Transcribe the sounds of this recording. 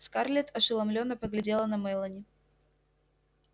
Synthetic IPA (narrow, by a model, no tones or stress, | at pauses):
skarlʲɪt̪ɐʂɨlˠɐmlʲonːəpəɡlʲɪdʲe̞lˠənɐmɛjlˠənʲɪ